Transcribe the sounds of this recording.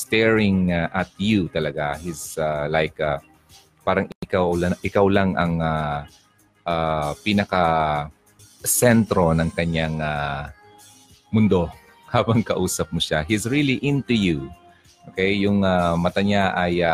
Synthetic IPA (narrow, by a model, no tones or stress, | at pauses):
st̪ɛɹɪŋʔɐt̪̚jut̪ɐlɐɡahisalajka | paːɾɐŋkawlaʔɪkawlaŋʔɐ̰ŋa | ʔapinɐkɐ | sɛnt̪ɾo̞nɐŋkɐɲaŋa | mʊnd̪o̞ | haːbɐŋkɐʔuːsɐp̚mʊʃaɦisɹiliʔɪ̃nt̪uju | ʔʔokejjʊŋamɐt̪aɲaʔaja